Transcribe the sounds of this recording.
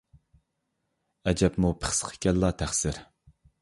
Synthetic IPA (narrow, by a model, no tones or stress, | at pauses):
ɛd͡ʒɛpmupʰə̥χsqʰə̥kʲɛlːɑt̪ʰæχsɪɾ